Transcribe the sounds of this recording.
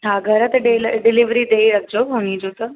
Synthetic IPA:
ɦaɡʱəɾət̪ɖelɖiliʋɾiːd̪eiɾəɡ̚d͡ʑooñiːd͡ʒot̪ə

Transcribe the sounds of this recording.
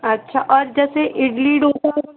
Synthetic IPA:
ɐtːʃʰaʔɔːɾd͡ʒɛːseʔɪɖliːɖoko

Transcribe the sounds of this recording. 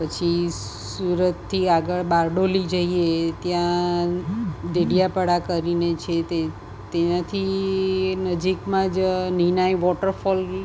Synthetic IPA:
pət͡ʃʰi | suɾət̪ʰːiaɡəɭbaɾɖolid͡ʒəiet̪jã | ɖeɽijapəɽakəɾinet͡ʃʰet̪e | t̪enãt̪ʰi | nəd͡ʒikmãd͡ʒninajʋɔʈəɾfɔl

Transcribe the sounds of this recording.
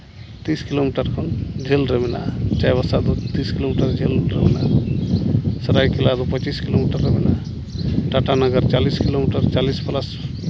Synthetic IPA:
t̪iːskilomiʈəɾkʰond͡ʒʱelɾemɛna̰t͡ʃajbəsad̪ut̪iskilomiʈəɾd͡ʒʱelɾemɛna | səɾajkilad̪opət͡ʃiskilomiʈəɾːemena | ʈaʈanəɡəɾt͡ʃaliskilomiʈəɾt͡ʃalispəlas

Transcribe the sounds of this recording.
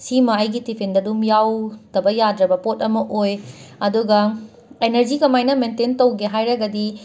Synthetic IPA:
simɐɐjɡitipʰendɐdumjawtɐbɐjadɾɐbɐpotɐmɐʔojɐduɡɐ | enɐɾd͡ʒikɐmajnɐmententɐwɡeɦajɾɐɡɐdi

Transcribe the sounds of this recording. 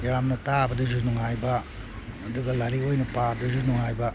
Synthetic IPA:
jamnɐtabɐdizunuŋajbɐː | duɡɐlaɾiojnɐpaduzunuŋajbɐ

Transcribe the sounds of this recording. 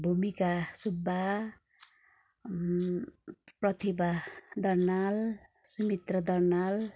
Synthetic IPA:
bʱumikasubːa | prʌt̪ʰibad̪ʌrnalsumit̪rʌd̪ʌrnal

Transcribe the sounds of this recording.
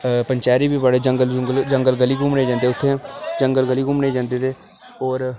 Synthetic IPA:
pəɲt͡ʃaːɾiːbiːbaːɽeːd͡ʒəŋɡəlɡəld͡ʒəŋɡəlɡəliːkʊmneːd͡ʒãːnd̪eːʊt̪ʰːẽd͡ʒəŋɡəlɡəliːɡʊmneːd͡ʒãːnd̪eːt̪eː | ɔːɾ

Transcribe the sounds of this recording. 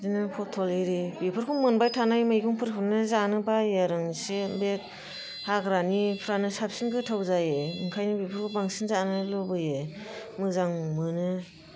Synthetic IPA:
dinɯpʰɔtʰɔleɾibipʰɯɾkʰumɯnbajtʰanajmajɡʰuŋpʰɯɾpʰɯɾnɯzanɯbajaɾɯŋsebek̚ | haɡɾanipʰɾanɯsapsinɡɯtʰawzajeɯŋkʰajnɯbipʰɯɾkʰubaŋsinzanɯlɔbɯje | mɯzaŋmɯnɯ

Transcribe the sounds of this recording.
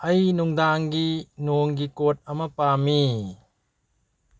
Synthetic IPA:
ɐjnuŋdaŋɡinoŋɡikot̚ɐmɐpami

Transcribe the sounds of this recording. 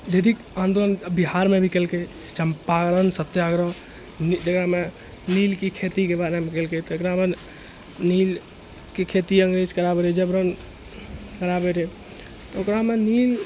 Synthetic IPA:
d̪eɾik | ãnd̪olənbiɦaɾmebʱikelke | t͡ʃəmpaɡɾənsət̪ːeəɡɾə | nd͡ʒəkɾame | nilkikʰet̪ikebaɾemekelket̪ɔokɾame | nil | kekʰet̪iə̃ŋɡɾed͡ʒkəɾabeɾed͡ʒəbɾən | kəɾabeɾe | t̪ɔokɾamenil

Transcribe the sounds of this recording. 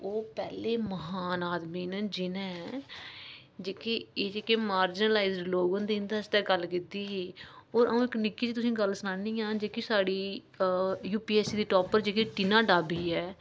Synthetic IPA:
oːpɛːleːməɦaːnaːd̪miːnəd͡ʒɪnɛ̃ː | d͡ʒeːkeːeːd͡ʒeːkeːmaːɾd͡ʒɪnəlaːizɖloːɡõnd̪eːnd̪aːst̪ɛːɡəlkɪt̪iːɦiːoːɾʔəũːɪknɪkːiːt͡ʃːt̪ʊsĩːɡəlsənaːniːãːd͡ʒeːkiːsaːɽiː | juːpiːɛːsiːd̪iːʈoːpəɾd͡ʒeːkeʈɪnaːɖaːbiːɛː

